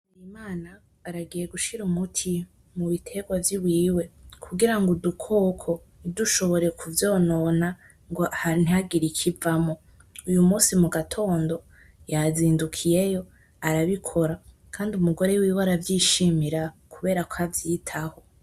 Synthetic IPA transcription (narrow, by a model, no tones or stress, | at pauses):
nimaːnaː | ɾaɡije̞ɡuʃiɾumutʰi | muβitʰe̞ɡwavjiwiːwe̞kʰuɡiɾaŋɡodukʰo̞ːkʰo̞ | niduʃo̞βo̞ɾe̞kʰuvjo̞ːno̞na | ŋɡoʔahan̥iaɡiɾikʰivamo̞ | ujumuːsimuɡatʰo̞ːndo̞ | jaziːndukʰije̞jo̞ | aɾaβikʰoɾa | kʰaːndiumuɡo̞ɾe̞wiːwaɾavjiːʃimiɾakuβe̞ːɾakʰavjitʰaho̞